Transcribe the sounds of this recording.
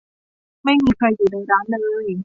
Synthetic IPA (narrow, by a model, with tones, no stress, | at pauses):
ma˥˩jmiː˧kʰɾa˧jːuː˨˩naː˧jɾaː˦˥nlɤː˧j